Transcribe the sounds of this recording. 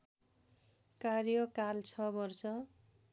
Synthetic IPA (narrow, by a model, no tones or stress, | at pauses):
karjʌkalt͡sʰʌbʌrsʌ